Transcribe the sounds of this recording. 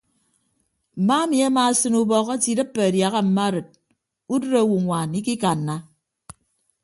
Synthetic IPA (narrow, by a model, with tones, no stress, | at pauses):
m̩˨ma˦mi˨a˦maː˨sɨ˦nu˦bɔ˦ɣa˦ti˨dɨ˦pːe˨a˨dja˨ɣa˦m̩˨ma˦ɾɨ˨t̚ | u˦dɨ˦ɾa˦˨wu˨ŋʷaː˨ni˦ki˦ka˨nːa˦